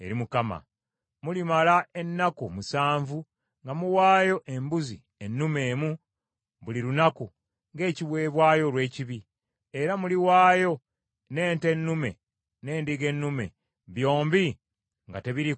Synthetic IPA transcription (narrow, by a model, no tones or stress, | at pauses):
e̞̰ɾimukama̰ | mulimalae̞nːakumusaːɱvu | ŋɡamuwaːjo̞ʔe̞mbuzi | enːume̞ːmu | βuliɾunaku | ŋɡe̞ːciβwe̞ːβwaːjo̞lwe̞ːciβi | eɾamuliwaːjo̞ | ne̞ːnte̞nːume̞̰ | ne̞ːndiɡe̞nːume̞̰ | βjo̞ːmbi | ŋɡate̞βiɾi